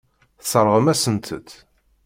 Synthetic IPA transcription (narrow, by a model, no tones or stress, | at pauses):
səɾˤʁəmæsənt̪ʰə̰t̪